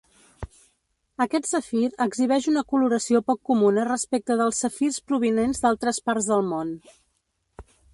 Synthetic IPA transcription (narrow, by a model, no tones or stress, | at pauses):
əkɛt̪səfiɾəɡziβ̞ɛʒunəkuluɾəsiopɔkːumunərəspek̚t̪əðəlˠsəfirspɾuβ̞inenzd̪alˠt̪ɾəspaɾzðəlˠmon